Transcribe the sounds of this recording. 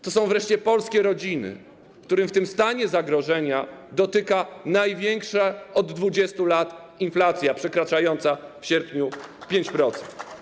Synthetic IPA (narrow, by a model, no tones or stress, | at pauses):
t̪ɔsɔ̃w̃vɾɛʂt͡ɕɛpɔlskʲɛɾɔd͡ʑinɘ̰ | kt̪uɾɘmft̪ɘmst̪aɲɛzaɡɾɔʐɛɲad̪ɔt̪ɘkanajvʲjɛŋkʂaɔd̪ːvud͡ʑɛst̪ulat̪ | inflat̪sʲjapʂɛkɾat͡ʂajɔnt̪safɕɛɾpʲɲupʲjeɲt͡ɕpɾɔt̪sɛ̥nt̪